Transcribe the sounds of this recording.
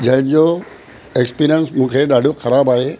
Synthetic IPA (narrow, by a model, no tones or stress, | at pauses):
d͡ʑɐ̃ɦɪ̃ɲd͡ʑo | ekspiːɾijənsmũːkʰeɗaːɖ̤ʱoxɐɾaːbaːɦeː